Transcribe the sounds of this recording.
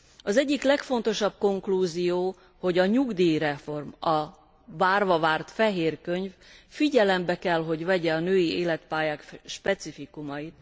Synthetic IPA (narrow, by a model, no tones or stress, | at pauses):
ɒzɛɟːiklɛkfo̞nt̪o̞ʃɒb̚ko̞ŋkluːzijoː | ho̞ɟɒɲuɡd̪iːɾɛfo̞rmɒ | vaːrvɒvaːrt̪fɛɦeːrkø̞ɲffiɟɛlɛmbɛkɛlɦo̞ɟvɛɟɛɒnøːjieːlɛt̪paːjaːkʃpɛt̪sifikumɒjit̪̚